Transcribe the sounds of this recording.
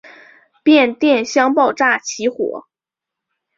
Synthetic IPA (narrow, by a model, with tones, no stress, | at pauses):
pjɛ˥˧nt̪jɛ˥˩nɕjɑ˥ŋpɑ˥˧ʊʈ͡ʂa˥˩t͡ɕʰi˧˥xwɔ̰˨˩˦